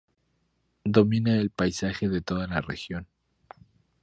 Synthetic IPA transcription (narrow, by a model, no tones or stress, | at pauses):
d̪o̞mĩnaelpajsaxe̞ðe̞t̪o̞ðalarḛxjo̞n